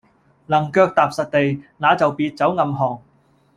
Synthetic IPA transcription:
lɐ˨˩ŋkœː˧k̚t̪aː˨p̚sɐ˨t̚t̪e˨jnaː˨˧t͡sɐ˨wpiː˧t̚t͡sɐ˨˥wŋɐ˧mɦɔː˨˩ŋ

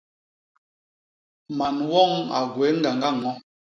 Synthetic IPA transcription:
ma˨nwɔ˦˨ŋa̰˨ɡwɛ˨˦ŋ̩˦ɡa˨ŋɡa˦˨ŋɔ˦

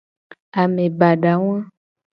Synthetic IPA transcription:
a˨mẽ˨ba˨ɖa˨w̃ã˦

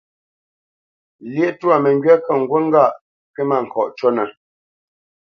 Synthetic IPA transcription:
ljɛ˦ʔtu˦a˨mɛ˨ŋɡɥa˦kə˦˨ŋ̩˨ɡwə˦ŋ̩˦ɡa˦˨ʔ | kɛ˦ma˦˨ŋ̩˨kɔ˨ʔt͡ʃo˦na˨

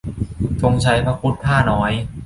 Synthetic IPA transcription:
fʰo˧ŋt͡ɕʰa˧jpʰɾa˧˥kʰu˦˥t̪̚p̪ʰaː˥˩nɔː˦˥j

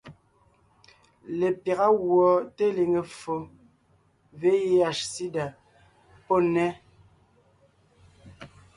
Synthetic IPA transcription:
le˨pja˨ɣa˦ɣwɔ˨te˦le˨ŋe˨fo˨ | ve˦je˦a˨ʃsi˦da˨ | po˦˨nɛ˦

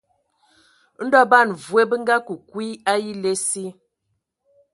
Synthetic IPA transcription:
n̩˦dɔ˦ba˦˨nvwe˦bə˦ŋ˦ɡa˦ku˨kwi˦a˦ji˦le˦si˦

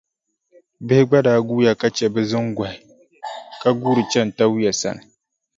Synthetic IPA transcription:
bɪ˦hɪ˦ɡ͡ba˦daː˨˦ɡuː˦ja˦ka˦t͡ʃɛ˨bɛ˦zɨ˦ŋɡʷa˨hɪ˨ | ka˦ɡuː˦ɾɨ˨t͡ʃɛ˦n̩˨ta˦wja˨sa̰˦˨nɨ˨

